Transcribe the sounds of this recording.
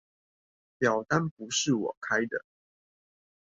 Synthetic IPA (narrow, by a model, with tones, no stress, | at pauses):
pjɑ˨˩ʊt̪a˦npu˨˦ʂɻ̩˥˨wɔ̰˨˩kʰa˦ɪd̪ə̰˨